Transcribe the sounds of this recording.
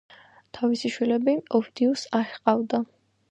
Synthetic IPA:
t̪ʰavisiʃwilɛbiɔfd̪iusaʃqʼavd̪a

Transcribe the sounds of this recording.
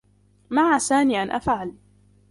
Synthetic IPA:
maʕaːsaːniːʔanʔa̰fʕali

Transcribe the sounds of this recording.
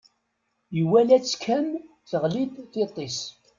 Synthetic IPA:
jəwælæt͡sːkʰːæn | θəʁlid̪θet̪ˤːes

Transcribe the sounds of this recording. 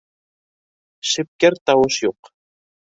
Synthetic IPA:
ʃɘ̆p̚kæɾt̪ɑwɤʃjuq

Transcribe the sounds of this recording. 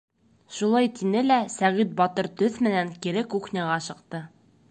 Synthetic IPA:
ʃulˠɑjt̪inɘlæsæʁit̪̚bɒt̪ɤɾt̪ɵθmɘ̆næŋkiɾɘkuχnʲɑʁɑʃɤ̆qt̪ɤ

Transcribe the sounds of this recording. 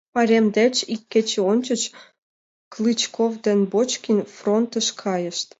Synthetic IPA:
pɑɾʲemd̪et͡ɕikːet͡ɕeont͡ɕə̆t͡ɕ | klɨt͡ɕkovd̪enbot͡ɕkʲinfront̪əʃkʰɑjəʃt̪

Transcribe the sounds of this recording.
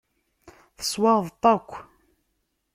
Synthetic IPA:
θə̥swɑðˤt̪ˤːɑkʷː

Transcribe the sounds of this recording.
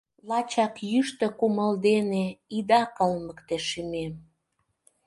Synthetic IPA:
lɑt͡ɕɑkjyʃt̪ə̆kuməld̪eneid̪ɑkəlməkt̪eʃymem

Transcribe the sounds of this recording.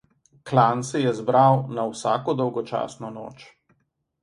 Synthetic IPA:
klansɛjɛzbɾawnawsa̰ːkɔd̪ɔwɡɔt͡ʃa̰ːsnɔno̰ːt͡ʃ

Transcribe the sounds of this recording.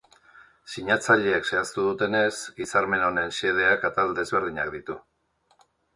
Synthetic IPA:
siɲat͡saʎeːkse̞ast̪uðut̪e̞ne̞sɡisaɾme̞no̞ne̞nse̞ð̞e̞akat̪ald̪e̞zβe̞ɾð̞iɲak̚d̪it̪u

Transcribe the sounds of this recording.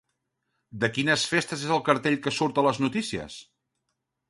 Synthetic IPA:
d̪əkinəsfest̪əzezəlˠkəɾt̪eʎkəsuɾt̪ələznut̪isiə̰s

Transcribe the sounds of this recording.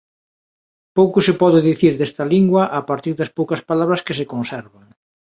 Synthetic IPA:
powkʊsɪpɔðɪðiθiɾðest̪ɐliŋɡwɐʔapaɾt̪iɾðɐspowkɐspalaβ̞ɾɐskɪsekonsɛɾβɐŋ

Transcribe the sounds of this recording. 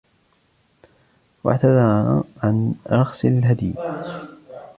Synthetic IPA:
wa̰ʕt̪ad̪ɑɾˤʕanɾˤɑxsˤɪlɦad̪j

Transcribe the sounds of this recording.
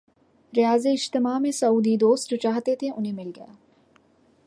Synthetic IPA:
ɾɪjaːzeɪʃt̪ɪmamẽsɐuːd̪id̪oːst̪t͡ʃaːɦt̪et̪ʰeʔʊnɦẽmɪlɡɐja̰ː

